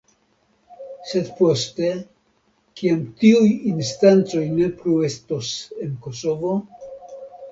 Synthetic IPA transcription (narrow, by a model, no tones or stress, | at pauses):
se̞dpo̞ste̞ | kiamtiujinstant͡so̞jne̞plue̞stose̞nko̞so̞vo̞